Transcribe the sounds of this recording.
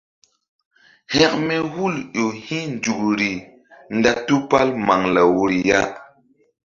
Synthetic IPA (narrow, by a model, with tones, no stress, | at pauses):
hɛ˦kmɛ˦hu˦˨ljo˨hĩ˦nd͡ʒu˨kɾi˨ | nda˦tu˦pa˦lma˨ŋla˨wu˨ɾi˨ja˦